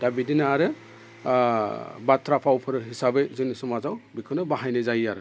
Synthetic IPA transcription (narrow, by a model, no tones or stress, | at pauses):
d̥abidinaːɾɯ | batʰɾapʰawpʰɯɾɯɦisabɯzɯnisumazawbikʰɯnɯbaɦajnɯzajaɾɯ